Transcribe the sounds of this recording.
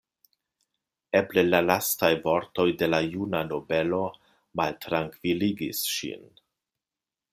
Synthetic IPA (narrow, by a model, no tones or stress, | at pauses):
eblelalastajvo̞ɾto̞jde̞lajunano̞be̞lo̞ | maltɾaŋkv̥iliɡḭsʃḭn